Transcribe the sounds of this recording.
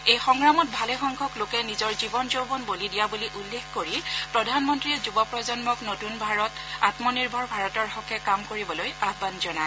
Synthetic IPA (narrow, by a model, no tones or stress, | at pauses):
ejxɔŋɹamɔt̚bʱalɛxɔŋkʰɔklokɛnizɔɹzibɔnzobɔnbolidijabuliʔulːekkoɹipɹɔdʱanmɔntɹiɛzubɔpɹɔzɔnmɔknotunbʱaɹɔt | atmɔniɹbʱɔɹbʱaɹɔtɔɹxɔkʰɛkamkoɹibɔlojabbanzɔna